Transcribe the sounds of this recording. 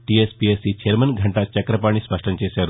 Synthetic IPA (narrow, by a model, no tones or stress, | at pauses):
ʈiespiesit͡ʃɐɾmɐnɡʱɐɳʈat͡ʃɐkɾɐpaːɳispɐʂʈɐmt͡ʃeːʃaːɾu